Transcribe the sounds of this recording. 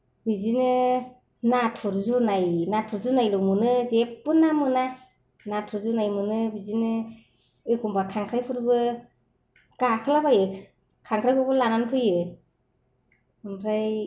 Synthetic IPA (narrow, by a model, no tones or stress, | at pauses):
bizinɯ | natʰuɾzunajnatʰuɾzunajlɔmɯnɯzeppɯnamɯna | natʰuɾzunajmɯnɯbizinɯ | ɯjkʰɔmpʰakʰaŋkʰɾajpʰɯɾbɯ | kakʰɯlabajɯ | kʰaŋkʰɾajpʰuɾbɯlananpʰɯjɯ | ɯmpʰɾaj